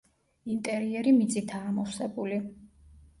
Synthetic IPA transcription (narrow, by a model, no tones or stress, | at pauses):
int̪ʼɛɾiɛɾimit̪sʼit̪ʰaamɔfsɛbuli